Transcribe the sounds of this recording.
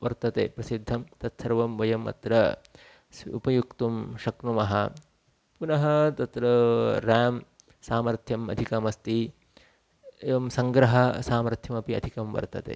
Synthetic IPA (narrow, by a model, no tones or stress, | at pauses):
ʋɐɾt̪ɐt̪eːpɾɐsid̪ʱːɐmt̪ɐt̪sɐɾɐʋɐmʋɐjɐmɐ̰t̪ɾɐ | sṵpɐjukt̪umʃɐknumɐɦɐ̰ | punɐɦɐt̪ɐt̪ɾɐɾaːm | saːmɐɾt̪ʰjɐmɐ̰d̪ʱikɐmɐst̪i | eʋɐmsɐŋɡɾɐɦɐsaːmɐɾt̪ʰjɐmɐpiɐ̰d̪ʱikɐmʋɐ̰ɾt̪ɐ̰t̪ḛː